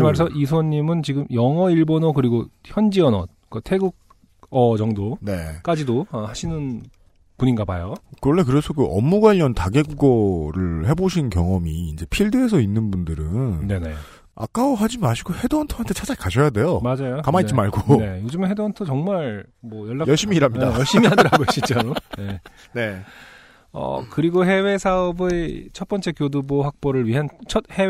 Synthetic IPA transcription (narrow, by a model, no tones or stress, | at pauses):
imaɾesʰʌʔisʰoɲːimɯnt͡ɕiɡɯmjʌŋʌiɭbonokɯɾiɡoçjʌnd͡ʑiʌnʌ | kotʰe̞ɡuɡ̚ | ʌd͡ʑʌŋdone̞k͈ad͡ʑidoʌhaɕʰinɯn | puɲinɡabajokɯɾʌɭːe̞k̬ɯɾe̞sʰʌkɯʔʌ̰mːuɡwaʎːʌntaɡe̞ɡuɡʌɾɯɭhe̞boɕʰinkjʌŋʌmiːnd͡ʑe̞pʰiɭdɯesʰʌinːɯnbundɯɾɯnne̞ne̞ | a̰k͈aoɦad͡ʑimaɕʰiɡohe̞doʌntʰoɦantʰet͡ɕʰad͡ʑakaɕʰʌjade̞jomad͡ʑajokamait͡ɕimaɭɡoejod͡ʑɯmnɦe̞doʌntʰot͡ɕʌŋmaɾmwʌjʌɭːajʌɭɕ͈imiːɾɦamɲidaʌɭɕ͈imiadɯɾaɡoɕ͈ʰit͡ɕaone | ne̞ | ʌ̰kɯɾiɡoɦe̞we̞sʰaʌbet͡ɕʰʌt̚p͈ʌnt͡ɕ͈e̞kjoduboɸak̚p͈oɾɯɭɥiɦant͡ɕʰʌt̚he̞